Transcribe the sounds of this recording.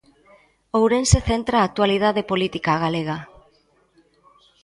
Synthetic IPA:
owɾenseθent̪ɾaːk̚t̪walið̞aðepolit̪ikaɣ̞aleɣ̞a

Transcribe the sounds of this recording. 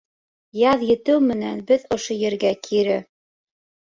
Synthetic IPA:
jɑðjɘ̆t̪ɘwmɘ̆nænbɘðŏʃojɘ̆ɾɡækʰiɾɘ

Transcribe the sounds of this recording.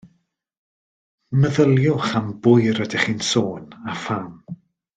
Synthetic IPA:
məðəlˠjʊχambʊjɾədɪχiːnsoːnafam

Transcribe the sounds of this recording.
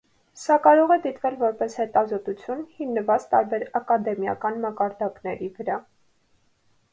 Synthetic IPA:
sɑkɑɾɔʁɛd̪it̪vɛlvɔɾpɛshɛt̪ɑzɔt̪ut͡sʰjunhinːəvɑt͡st̪ɑɾbɛɾɑkɑd̪ɛmjɑ̰kɑnmɑkɑɾd̪ɑknɛɾivəɾɑ

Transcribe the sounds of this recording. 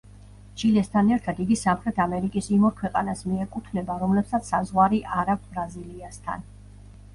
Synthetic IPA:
t͡ʃʰilɛst̪ʰanɛɾt̪ʰat̪iɡisamχɾɛt̪ʰamɛɾikʼisimɔɾkʰwɛqʼa̰nasmiɛkʼut̪ʰnɛbaɾɔmlɛpsat̪sʰsazʁwaɾiʔaɾap̚ʰbɾaziliast̪ʰa̰n

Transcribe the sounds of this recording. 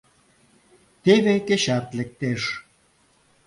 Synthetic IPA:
t̪eβekeɕart̪lek̚t̪eʃ

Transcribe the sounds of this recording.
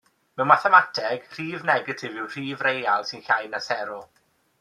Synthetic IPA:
mɛwmaθɛmatʰɛɡ̥r̥iːvnɛɡətʰɪvɪwr̥iːvrejalˠsɪnɬajnːasɛɾɔ

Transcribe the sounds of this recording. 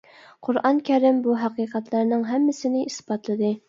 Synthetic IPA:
qʰʊɾɑŋkʲʰæɾɪmbuɦæqiːqæt̪lˠæɾnɪŋɦæmːɪsɪnɪʔisbɑt̪lˠɨd̪ɨ

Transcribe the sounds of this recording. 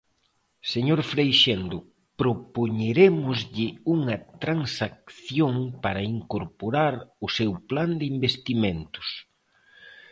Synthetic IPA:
seɲoɾfɾejʃend̪ʊ | pɾopoɲeɾemʊzʎɪuŋɐt̪ɾaŋsak̚θjoŋpaɾɐiŋkoɾpoɾaɾʊsewpland̪ɪimbest̪imẽnt̪ʊ̥s

